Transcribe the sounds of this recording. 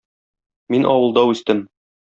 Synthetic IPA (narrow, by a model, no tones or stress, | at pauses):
minʔɒwɤ̆lˠd̪ɑʉst̪ɘm